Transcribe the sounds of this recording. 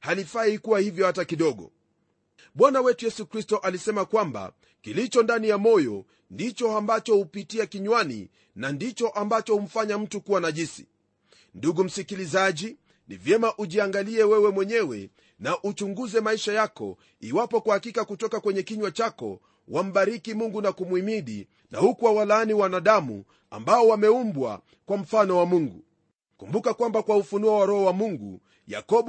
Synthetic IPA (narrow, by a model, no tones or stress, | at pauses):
halifaikuwahivjɔhatakiɗɔɠɔ̰ | ɓwanawɛtujɛsukɾistɔʔalisɛmakwamba̰ | kilit͡ʃɔndanijamɔjɔ̰ | ndit͡ʃɔambat͡ʃɔhupitiakiɲwanḭ | nandit͡ʃɔʔambat͡ʃɔhum̩faɲam̩tukuwanaʄisi̥ | nduɡum̩sikilizaʄi | nḭvjɛmaʔuʄiaŋɡaliɛwɛwɛmwɛɲɛwɛ̰ | naʔut͡ʃuŋɡuzɛmaiʃajakɔ̰ | iwapɔkwahakikakutɔkakwɛɲɛkiɲwat͡ʃakɔ̰ | wam̩ɓaɾikimuŋɡunakumwimiɗḭ | na̰hukuwawalaniwanaɗamṵ | a̰mbaɔwamɛumbwa̰ | kwam̩fanɔwamuŋɡu | kumbukakwambakwaufunuawaɾɔɔwamuŋɡṵ | ja̰kɔɓ